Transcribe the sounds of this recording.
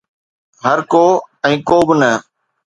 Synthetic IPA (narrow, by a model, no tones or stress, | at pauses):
ɦəɾkoːɛ̃ːkoːbɪnə